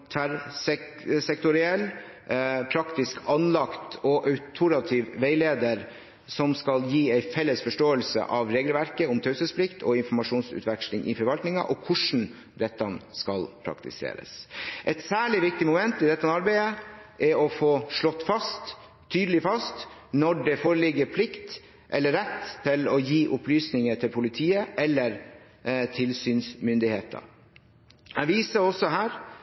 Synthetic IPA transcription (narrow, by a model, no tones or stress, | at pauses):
t̪ʰæɾsɛ | sɛkt̪ʊɾɪɛlː | pʰɾɑkt̪ɪskʰɑnlɑkt̪ɔʔœʉt̪ʰʊɾɑt̪ʰiʋʋeɪleːd̪əɾ | sɔmskɑljiːæɪfɛlːəsfɔʂʈoːəlsə̰ʔɑʋɾeːɡlʋæɾkəʊmt̪ʰœʉsəspʰlɪkt̪ʰɔɪnfɔmɑʂuːnsʉ̰ːt̪ʰʋɛkʂlɪŋʔɪ̰fɔɾʋɑlt̪nɪŋɑ̰ʔɔkʰʊʂn̩ | d̪ɛt̪ːɑnskɑlpʰɾɑ̰kt̪ɪ̰sḛːɾə̰sʔɛt̪sæːɭɪʋɪk̚t̪ɪmʊmɛnt̪ɪd̪ɛt̪ːɑnɑɾbæɪəʔɛɔfoːʂɭɔt̪ːfɑst̪ʰː | yːd̪əlɪfɑst̪nɔɖɛfoːɾəlɪɡəpʰlɪkt̪ | ʔɛlːəɾɛt̪ʰːɪlɔjiːʔʊplyːsnɪŋət̪ʰɪlpʰʊlɪt̪ʰiːəʔɛlːəɾ | t̪ʰɪlsyːnsmʏnd̪ɪheːt̪ʰɑ̰ | hæʋiːsəɾɔsːɔhæːɾ